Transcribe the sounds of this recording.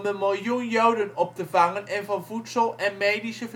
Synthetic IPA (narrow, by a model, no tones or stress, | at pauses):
mdəmɪlˠjunjowdənɔp̚təvɑŋənɛnvɑnvutsəlˠɛnmejdisəv